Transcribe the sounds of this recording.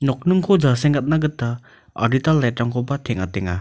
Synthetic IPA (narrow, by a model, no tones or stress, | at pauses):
nɔk̚nɯŋkʰɔd͡ʒaseŋɡat̚naɡɯtːa | a̰ditalːajtɾaŋkʰɔbatʰɛŋa̰teŋa̰